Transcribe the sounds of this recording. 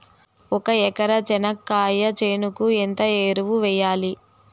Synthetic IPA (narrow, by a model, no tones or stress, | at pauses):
ɔkɐɛkɐɾɐd͡ʒɛnɐkːaːjɐt͡ʃeːnukuent̪ɐeːɾuʋuʋɛjːaːli